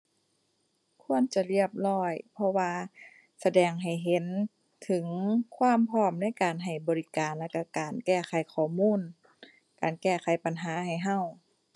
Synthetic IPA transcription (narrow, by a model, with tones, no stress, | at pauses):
kʰu˧˥ənt͡ɕa˧˨li˧˩əp̚lɔː˧˩jpʰɔ˧waː˧ | sa˧dɛː˨˩ŋɦa˨˩jɦe˨˦n | t̪ʰɯ˨˦ŋkʰwaː˧˥˨mpʰɔː˧˥˩mna˧˥˨jkaː˨nɦa˨˩jbɔː˨˩li˦˧kaː˨nlaː˧˩ka˧˩kaː˨˩nkɛː˧˩xʰa˨˦jkʰɔː˧˩muː˧˥˨n | kaː˨˩nkɛː˧˩xa˨˦jpa˨nɦaː˨˦ha˨˩jɦa˧˩˨w